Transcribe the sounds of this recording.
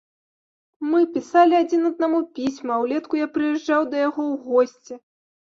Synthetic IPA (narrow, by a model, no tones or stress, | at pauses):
mɨpʲisalʲiad͡zʲinɐd̪̚namupʲisʲmɐwlʲɛt̪kujapɾɨjɛʐd͡ʐawd̪ɐjaɣɔwɣɔsʲt͡sʲɛ